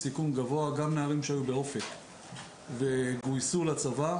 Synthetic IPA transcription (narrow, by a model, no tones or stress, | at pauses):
sikunɡavo̞aɡamneaʁimʃeajube̞o̞fek | veɡujsulat͡sava